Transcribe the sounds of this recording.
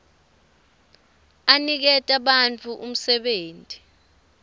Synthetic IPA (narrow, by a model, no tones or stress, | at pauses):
anik̬ɛtʼaɓant͡fʰuʔum̩sɛɓeːntʼi